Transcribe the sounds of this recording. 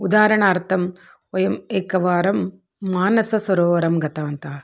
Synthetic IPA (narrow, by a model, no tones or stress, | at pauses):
ud̪aːɾɐɳaːɾt̪ʰɐm | ɔjɐmeːkɐʋaːɾɐmː | aːnɐsɐsɐɾoːʋɐɾɐmɡɐt̪aːnt̪ɐː